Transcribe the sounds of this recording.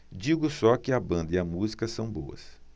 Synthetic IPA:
d͡ʒiɡʊsɔkɪɐbɐ̃nd̪ɐiɐmuzikɐsɐ̃w̃bo̰ɐ̰s

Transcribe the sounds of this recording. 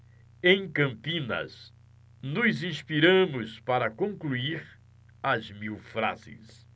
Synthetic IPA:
ẽj̃kɐ̃mpĩnɐ̰z | nʊzĩspiɾɐ̃mʊspaɾɐkõŋkluiɾ | ɐzmiwfɾa̰zɪ̰s

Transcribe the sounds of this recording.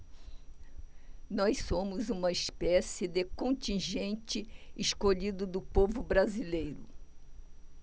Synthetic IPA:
nɔjssõmʊzũmɐispɛsɪd̪ekõnt̪ĩʒẽnt͡ʃɪɪskoʎid̪ʊd̪ʊpovʊbɾazilejɾʊ

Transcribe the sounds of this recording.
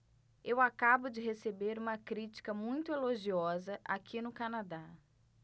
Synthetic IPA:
ewakabʊd͡ʒɪɦesebeɾũmɐkɾit͡ʃi̥kɐmũj̃t̪ʊeloʒiɔzɐʔa̰kʰinʊkanad̪a

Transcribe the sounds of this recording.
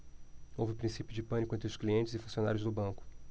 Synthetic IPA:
owvɪpɾĩsipjʊd͡ʒɪpɐ̃nikʊẽt̪ɾʊskliẽnt͡ʃɪzɪfũsiona̰ɾjʊzd̪ʊbɐ̃kʊ̥

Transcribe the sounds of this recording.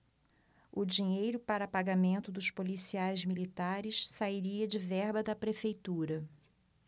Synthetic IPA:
ʊd͡ʒiɲejɾʊpaɾɐpaɡamẽnt̪ʊd̪ʊʃpolisiajzmilit̪aɾɪʃsaiɾiɐd͡ʒɪvɛɾbɐd̪ɐpɾefejt̪uɾɐ

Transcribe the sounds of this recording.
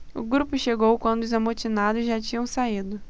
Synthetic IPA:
ʊ̰ɡɾupʊʃeɡowkwɐ̃nd̪ʊʊzamot͡ʃinad̪ʊzʒat͡ʃĩɲɐ̃w̃said̪ʊ

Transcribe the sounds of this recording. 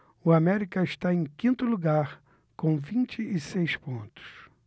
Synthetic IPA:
ʊamɛɾikɐɪʃt̪aẽj̃kĩnt̪ʊluɡaɾ | kõw̃vĩt͡ʃɪʔɪsejspõnt̪ʊ̥s

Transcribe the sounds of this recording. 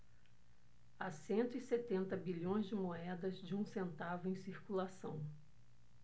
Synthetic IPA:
asẽnt̪ʊiset̪ẽnt̪ɐbiʎõj̃zd͡ʒɪmoɛd̪ɐzd͡ʒɪũsẽnt̪avʊẽj̃siɾkulasɐ̃w̃

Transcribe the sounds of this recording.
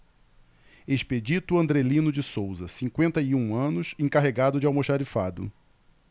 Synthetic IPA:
eʃped͡ʒit̪ʊɐ̃nd̪ɾelĩnʊd͡ʒɪsowzɐsĩŋkwẽnt̪ɐiũɐ̃nʊsẽkaɦeɡad̪ʊd͡ʒɪawmoʃaɾifad̪ʊ̰

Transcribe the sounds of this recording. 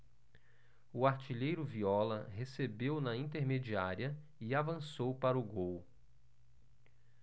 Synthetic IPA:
ʊaɾt͡ʃiʎejɾʊviɔlɐ̰ɦesebewnɐĩnt̪eɾmed͡ʒiaɾiɐ | ɪavɐ̃sowpaɾʊɡow

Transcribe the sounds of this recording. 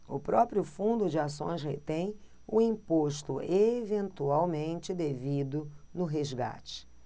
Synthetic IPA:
ʊpɾɔpɾjʊfũnd̪ʊd͡ʒɪasõ̰j̃shḛt̪ẽj̃ | ʊĩpoʃt̪ʊevẽnt̪uawmẽnt͡ʃɪd̪evid̪ʊnʊɦezɡa̰t͡ʃɪ̥

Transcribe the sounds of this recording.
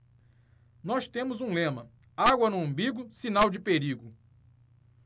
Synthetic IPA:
nɔst̪ẽmʊzũlẽmɐ | aɡwɐnʊɐ̃mbiɡʊsinawd͡ʒɪpeɾiɡʊ

